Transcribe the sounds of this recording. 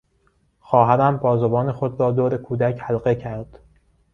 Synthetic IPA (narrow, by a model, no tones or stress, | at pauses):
xɒːɦæɾæmbɒːzobɒːnexod̪ɾɒːd̪oːɾekʰuːd̪æcʰhælɢecʰæɾd̪̥